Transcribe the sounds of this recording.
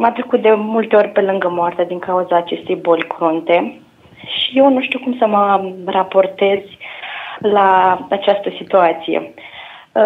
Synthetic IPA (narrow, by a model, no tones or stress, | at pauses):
mamt̪ɾəkut̪̚d̪e̞mult̪e̞o̞rʲpe̞lɨŋɡəmoart̪ead̪iŋkauzaːt͡ʃe̞st̪e̞jbo̞lʲkʰɾont̪e̞ | ʃije̞wnuʃt̪iwkumsəmərapo̞rt̪e̞z̥ʲ | laat͡ʃast̪əsit̪uat̪sijḛ